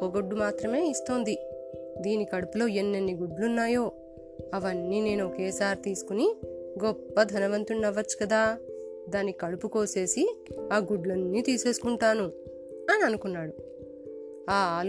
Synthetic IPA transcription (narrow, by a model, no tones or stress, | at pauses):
oɡoɖːumaːt̪ɾɐme̞ːist̪o̞ːnd̪id̪iːnikɐɽupulo̞ːenːenːiɡuɖlunːaːjo̞ː | ɐʋɐnːiːne̞ːnuokeːsaːɾt̪iːsu̥kuniɡɔpːɐd̪ʱɐnɐʋɐnt̪uɳːɐʋːɐt͡ʃːu̥kɐd̪aːd̪aːnːikɐɽupuko̞ːse̞ːsiaːɡuɖlɐnːiːt̪iːse̞ːsu̥kuɳʈaːnu | ɐniɐnukunːaːɽu | aːl